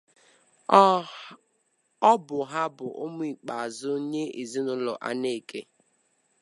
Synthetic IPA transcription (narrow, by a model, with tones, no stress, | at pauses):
ɔ˦bʊ˨ɦa˦bʊ˨ʔo˦mʊ˦i˨k͡pa˨a˨zʊ˦ɲe˦e˨zi˦nʊ˦lɔ̰˨ʔa̰˦ne˦˨ke˦